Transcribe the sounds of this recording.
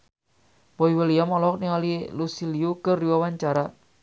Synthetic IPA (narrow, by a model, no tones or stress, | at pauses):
boiwəliamɔlɔk̚niŋalilusiliukərːiwawaɲt͡ʃaɾa